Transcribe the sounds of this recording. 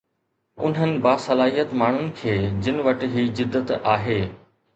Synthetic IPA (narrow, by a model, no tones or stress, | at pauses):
ʊ̰nɦənɪ̆baːsɐlaːɦijət̪maːɳ̤ʊnɪ̆kʰeːd͡ʑɪnɪ̆ʋɐʈ̆ɦiːd͡ʑɪd̪ːət̪aːɦeː